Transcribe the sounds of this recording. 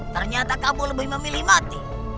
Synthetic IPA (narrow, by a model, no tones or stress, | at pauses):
t̪ərɲat̪akabʊləbɪɦməmilimat̪i